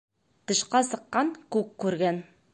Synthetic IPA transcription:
t̪ɤ̆ʃqɑsɤ̆qːɑɴkʉkːʉɾɡæn

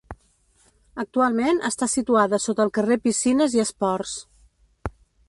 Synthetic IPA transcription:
ək̚t̪ualˠmenʔə̰st̪asit̪uaðəsot̪əlˠkərepisinəziəspɔrs

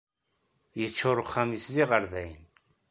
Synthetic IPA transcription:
jət͡ʃːʊɾˤʊχːæmisliʁəɾðæjn

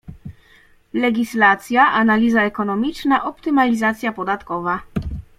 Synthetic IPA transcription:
lɛɡʲislat̪sʲjaʔanalʲizaɛkɔnɔmʲit͡ʂnaʔɔpt̪ɘmalʲizat̪sʲjapɔd̪at̪kɔva

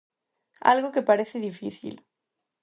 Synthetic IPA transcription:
a̰lɣoke̞paɾeθeðifiθḭl

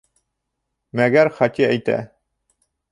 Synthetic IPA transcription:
mæɡæɾχɒt̪iæjt̪æ̰

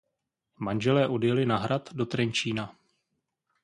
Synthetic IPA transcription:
manʒɛlɛːʔo̞djɛlɪnaɦɾat̪do̞t̪ɾɛɲt͡ʃiːna

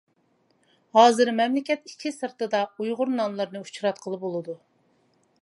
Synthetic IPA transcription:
hɑːzɨɾmɛmlɪkʲɛt̪i̥t͡ʃʲʰisɨɾt̪ɨd̪ɑujʁʊɾnɑmlˠɨɾnɨu̥t͡ʃɾɑt̪qʰəlˠɨp̚bolˠɨd̪u

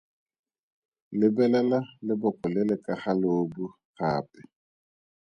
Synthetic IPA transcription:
lɪbɛlɛlalɪbʊkʼɔlɪlɪkʼaχaloːbu | χa̰ːpʼɛ̥

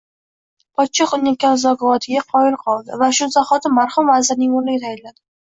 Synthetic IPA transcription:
pʰɒt̪t͡ʃʰɪqʊnːɪkʲːanzɒkɒvɒt̪ʰɪɡʲaqʰɒɪlˠqʰɒlˠd̪ɪ̰vaʃʊzaχɒt̪ʰɪmaɾχʊmvazɪɾnɪŋʊɾlɪɡʲt̪ʰajɪlad̪ɪ

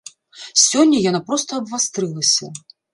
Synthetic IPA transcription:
sʲɔnʲːɐjanapɾɔst̪ɐːbvast̪ɾɨlˠɐsʲɐ

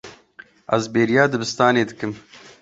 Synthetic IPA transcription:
ʔɐ̰zbeːɾijaːd̪ɨbɨst̪aːneːd̪ɨkɨm

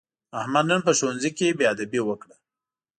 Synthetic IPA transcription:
ahmad̪nənpəʃoanzikebead̪abiwəkɽa

